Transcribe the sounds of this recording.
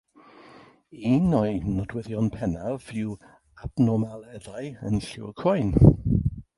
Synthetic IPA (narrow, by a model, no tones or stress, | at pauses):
inɔjnɔdwɛðjɔnpʰɛnavɪw | ab̥nɔmalˠɛðajə̰nɬɪkʰrɔjn